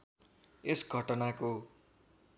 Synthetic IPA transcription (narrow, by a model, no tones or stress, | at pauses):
esɡʱʌʈʌnako